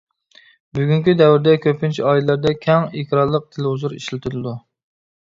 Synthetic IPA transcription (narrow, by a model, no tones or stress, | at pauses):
byɡʲyŋkʲid̪ɛwɾd̪ɛkʲʰøpʰːɪnt͡ʃʰiɑːjilɛlæɾd̪ɛkʲʰɛŋekʰʲɾɑɾlˠəq̚t̪ʰelhʊzuɾḭʃlɪt̪ʰyɾɨd̪u